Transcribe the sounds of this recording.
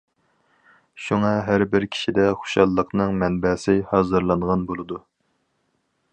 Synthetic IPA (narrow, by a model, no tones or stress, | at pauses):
ʃuŋɑɦæɾbɪɾkʲʰi̥ʃid̪ɛχo̥ʃɑlˠːəqnɨŋmɛnbɛsɪhɑːzɨɾlˠɑnʁɑnbolˠɨd̪u